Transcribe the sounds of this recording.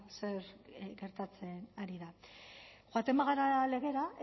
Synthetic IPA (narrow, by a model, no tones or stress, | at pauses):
se̞ɾɡe̞ɾt̪at͡se̞naɾiða | xwat̪e̞mbaɣaɾale̞ɣ̞e̞ɾa